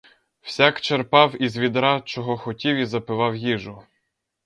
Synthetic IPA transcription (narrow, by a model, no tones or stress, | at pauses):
w̥sʲakt͡ʃerpɑwizʋʲid̪ɾɑt͡ʃɔɦɔxɔtʲiwʲizɐpɪʋɑwjiʒʊ